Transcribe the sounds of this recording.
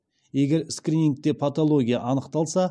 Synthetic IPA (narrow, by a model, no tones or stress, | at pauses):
je̞ɡʲe̞ɾskɾʲinʲiŋk̚t̪e̞pʰat̪olˠo̞ɡʲijaʔɑnəqt̪ɑlˠsɑ